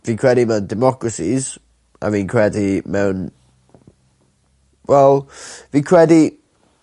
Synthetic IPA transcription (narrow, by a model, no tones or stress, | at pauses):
viːnkʰɹ̥ɛdimɛwndɛmɔkʰɹəsiz | a̰vĩːnkʰɹ̥ɛdimɛwn | wɛlˠviːkʰɹ̥ɛdi